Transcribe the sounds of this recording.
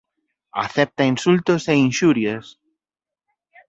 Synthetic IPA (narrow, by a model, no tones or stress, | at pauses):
a̰θɛp̚t̪ainsult̪oseinʃuɾjes